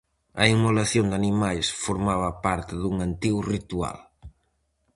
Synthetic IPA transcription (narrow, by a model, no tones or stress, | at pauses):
ɐimolaθjond̪animajsfoɾmaβɐpaɾt̪ɪðuŋant̪iɣʊrit̪ua̰l